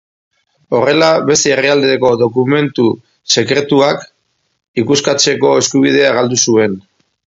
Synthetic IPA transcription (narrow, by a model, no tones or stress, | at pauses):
o̞re̞laβe̞st̪eːriald̪eeko̞ðo̞kume̞nt̪u | se̞kɾe̞t̪uak | ikuskat͡se̞ko̞e̞skuβ̞ið̞e̞aɣald̪usue̞n